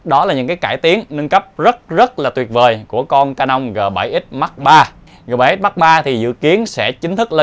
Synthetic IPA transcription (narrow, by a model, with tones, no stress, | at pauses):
ɗɔ˨˦laː˨˩ɲɨ̰˧˥ŋkaː˨˦jkaː˧˩jt̪i˨˦ənnɨ˧ŋkə˦˥p̚zə˦˥t̚zə˦˥t̚laː˨˩t̪wət̚vəː˨˩jku˧˩əkɔ˧nkaː˧nʔa˧wŋ͡mɣəː˨˩ɓa̰˧˩jʔi˦˥t̚ma˦˥k̚ɓaː˧ | ɣəː˨˩ɓaː˨˧˩jʔi˦˥t̚ma˦˥k̚ɓaː˧t̪ʰi˨˩zɨ̰˧˨ki˨˦ənsɛ̰˧˥t͡ɕï˨˦ŋ̟t̪ʰɨ˦˥k̚le˧